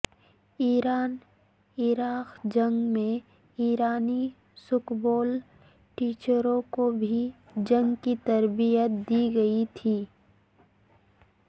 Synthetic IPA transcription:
iːɾaːn | iɾaːqd͡ʒɐ̃ŋɡmẽ | iːɾaːni | sʊkboːl | ʈiːt͡ʃəɾõkobʱi | d͡ʒɐ̃ŋɡkit̪ɐɾbijət̪̚d̪iɡɐit̪ʰiː

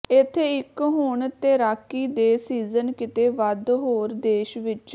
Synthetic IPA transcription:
ɪt̪ʰːeːɪkɦʊɳt̪eːɾaːkːiːd̪eːsiːzənkɪt̪eːʋəd̪ɦoːɾd̪eːʃʋɪt͡ʃ

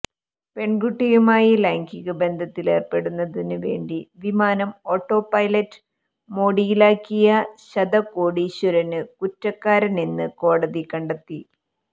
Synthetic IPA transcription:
pe̞ɳɡuʈːijumaːjilaːŋkiɣɐbe̞nd̪ʱɐt̪ːile̞ːrpe̞ɽunːɐðinɨʋe̞̰ːɳɖiʋimaːnɐmo̞ːʈːo̞ːpɐjlɐtː | mo̞ːɽijilaːkːijɐɕɐd̪ɐko̞ːɽiɕuɾɐnɨkutːɐkːaːɾɐninːɨko̞ːɽɐðikɐɳɖɐt̪ːi

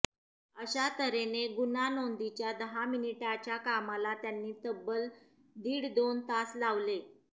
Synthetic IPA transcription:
əɕat̪əɾeneɡunanond̪it͡ɕjad̪əɦaminiʈat͡ɕjakamalat̪janːiːt̪əbːəl | d̪iːɽd̪ont̪aslaʋle

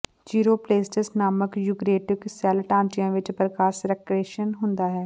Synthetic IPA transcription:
d͡ʒiːɾoːpleːsʈəsnaːməkjʊɡɾeːʈɪksɛːlʈãːnt͡ʃɪjãʋɪt͡ʃpɾəkaːʃɾekɾeːʃənɦʊ̃nd̪aɦɛː

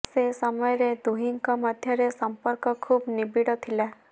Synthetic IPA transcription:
sesəmɔjɾed̪uɦiŋkɔməd̪ʱjɔɾesəmpəɾkɔkʰuːbnibiɽɔt̪ʰilɛ

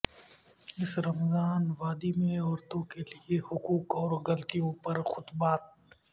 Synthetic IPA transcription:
ɪsɾɐmzaːnʋaːd̪imẽɔːɾt̪õkeliehʊkuːkɔːɾɡɐlt̪ijõpɐɾxʊt̪baːt̪̚

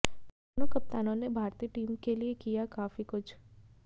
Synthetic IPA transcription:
ənukəp̚t̪anonebʱaɾt̪iʈimkeliekijakafikʊt͡ʃʰ

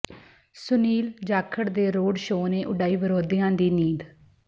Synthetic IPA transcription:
sʊniːld͡ʒaːkʰːəɽd̪eːɾoːɖʃoːnẽːʔʊɖaːiːbəɾoːd̪ijãːd̪iːniːd̪

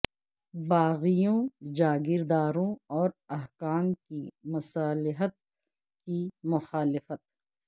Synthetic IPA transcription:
baːɣijõd͡ʒaːɡɪɾd̪aːɾõɔːɾɐɦkaːmkimɐsaːlɪɦət̪̚ | kimʊxaːlɪfət̪̚

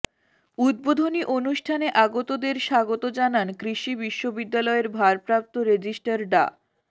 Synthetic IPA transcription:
ud̪̚bod̪ʱoniʔonuʃʈʰaneʔaɡot̪od̪eɾʃaɡot̪od͡ʑanankɾiʃibiʃːobid̪ːalɔeɾbʱaɾpɾap̚t̪oɾed͡ʑisʈaɾɖa̰

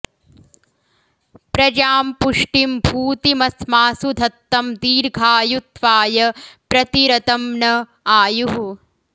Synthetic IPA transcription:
pɾɐd͡ʒaːmpuʂʈimbʱuːt̪imɐsmaːsud̪ʱɐt̪ːɐmd̪iːɾɡʱaːjut̪ʋaːjɐpɾɐt̪iɾɐt̪ɐmnɐ | aːjuɦu

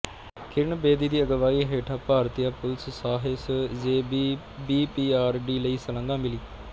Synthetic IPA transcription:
kɪɾɳbeːd̪iːd̪iːəɡəʋaːiːɦeːʈʰaːpaːɾt̪ijaːpʊlssaːɦɪszeː | biːpiːaːɾɖiːləiːsələ̃ŋɡãːmɪliː

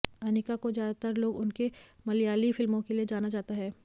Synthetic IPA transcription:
ɐnɪkakozjaːd̪at̪əɾloːɡʊnke | mɐlijaːlifɪlmõkelied͡ʒaːnad͡ʒaːt̪aɦɛː

